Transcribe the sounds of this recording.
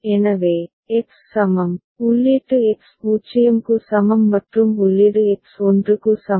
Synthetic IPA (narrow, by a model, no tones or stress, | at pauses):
enɐʋeː | eksːɐmɐm | ulːeʈːɯekspuːt͡ʃɐjɐmkusɐmɐmːɐʈɾumulːiʈɯeksoɳɖrukusɐ